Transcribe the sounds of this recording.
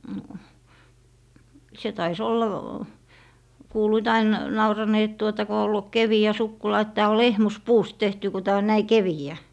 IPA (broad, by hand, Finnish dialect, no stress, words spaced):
no se tɑis olːɑ kuːluit ɑin nɑurɑneː et tuotɑ ko olːu keʋiæ sukːulɑ et tæː o lehmuspuːst tehty ku tæː on næi keʋiæ